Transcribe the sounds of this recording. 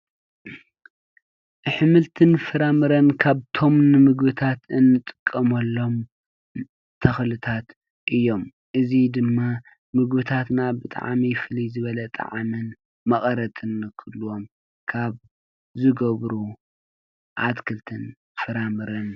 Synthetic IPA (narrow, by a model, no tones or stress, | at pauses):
ʔɨħɨmɨlt̪ʰɨnfɨɾamɨɾɐnkʰaβt̪ʰo̞mnɨmɨɡbɨt̪ʰat̪ɨnːɨt̪ʼɨkʼːɐmɐlːo̞m | t̪ʰɐxlɨt̪ʰat̪ | ʔɨjːo̞m | ʔɨzid̪ɨmːa | mɨɡbɨt̪ʰat̪nabɨt̪ʼa̰ʕmifɨlizɨβɐlɐt̪ʼa̰ʕmɨn | mɐχʼɐɾɐt̪ʼɨnkʰɨlːuwo̞m | kʰaβ | zɨɡɐβɾu | ʕat̪kʰɨlt̪ʰɨn | fɨɾamɨɾɐn